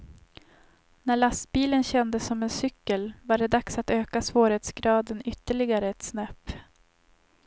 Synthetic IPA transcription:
næɭast̪̚biːlənɕɛnd̪əsːɔmɛnsʏkːəlvaɖɛd̪aksat̪øːkasvoːɾheːt̪sɡɾɑːd̪ənʏt̪ːəɭɪɡaɾəɛt̪snɛpː

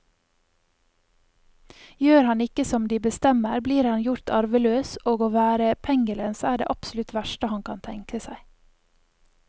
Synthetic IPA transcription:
jøːɾhɑnɪkəsɔmd̪iːbəst̪ɛməɾbliːɾhɑnjʊɾt̪ʰɑɾʋəløːsʔoːɡoːʋæːɾəpʰɛŋɡəlɛnsæːɖḛːʔɑpsʊlʉt̪ʋæʃʈəhɑnkʰɑ̰nt̪ʰɛŋkəsæɪ

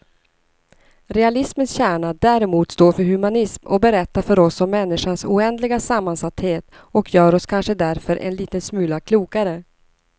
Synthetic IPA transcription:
ɾɛalɪsmənsɕæːɳad̪æːɾɛmuːt̪st̪oːɾfœɾhɵmanɪsmɔ̰bɛɾɛt̪ːafœɾɔsɔmːɛnːɪʂansuːɛnd̪lɪɡasamːansat̪ːheːt̪ | ɔkʰjœːɾɔskʰanʂəd̪æɾfœɾʔɛ̰nliːt̪ənsmʉ̟ːlakʰluːkaɾə

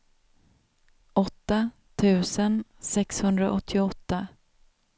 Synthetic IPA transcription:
ɔt̪ːa | t̪ʰʉ̟ːsənsɛkshɵnd̪ɾa̰ʔɔt̪ʰːɪɔt̪ːa

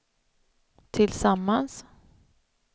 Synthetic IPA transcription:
t̪ʰɪlsamːans

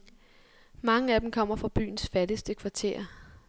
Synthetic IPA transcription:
mɑ̈ŋəæd̥em̩kʰɒ̽m̰ɐfʁɑ̈b̥y̰ːn̩sfædəsd̥əkʰʋɑ̈t͡sʰe̝ːɐ̰

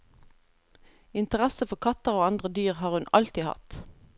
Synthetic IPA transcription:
ɪnt̪əʁæsəfɔʁkʰɑt̪əʁoːɑnd̪ʁəd̪yːʁhɑːʁhʉnʔɑ̰lt̪ihɑ̰t̪

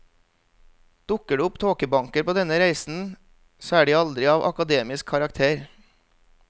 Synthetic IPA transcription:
d̪̥ʊkəɖʉːʊpt̪ʰoːkəbɑŋkəɾpʰoːd̪ɛnəɾæɪsn̩ | soːæːɖiːɑld̪ɾɪɑːʋʔɑ̰kɑd̪eːmɪskʰːɑɾɑk̚t̪ʰeːɾ

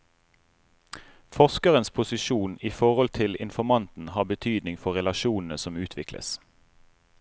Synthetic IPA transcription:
fɔskəʁənspʰʊsɪʃuːniːfɔʁɔlt̪ʰɪlɪ̰nfɔmɑnt̪n̩hɑːbət̪ʰyːd̪nɪŋfɔʁɛlɑʃuːnn̩əsɔmʉːt̪ʰʋɪklə̰s

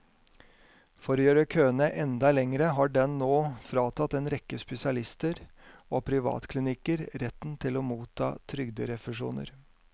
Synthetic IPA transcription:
fɔɾoːjøːɾəkʰøːnəʔɛnd̪ɑlɛŋɾəɦɑːɖɛnːoːfɾɑːt̪ʰɑt̪eːnɾɛkːəspɛsɪɑlɪst̪əɾoːpʰɾɪʋɑ̰ːt̪kʰlɪnɪkəɾɾɛt̪ːn̩t̪ʰɪloːmuːt̪ʰːɑ̰ːt̪ʰɾʏɡd̪əɾɛfəʂṵːnə̰ɾ

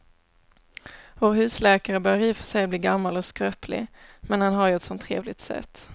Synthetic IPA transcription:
voːɾɦʉ̟ːslɛːkaɾəbœːɾiːfœʂɛjbliːɡamːalɔskɾøːplɪ̰mɛnhanɦaɾjɵɛt̪sɔnt̪ʰːɾḛːvlɪɡ̚t̪sɛ̰t̪ː

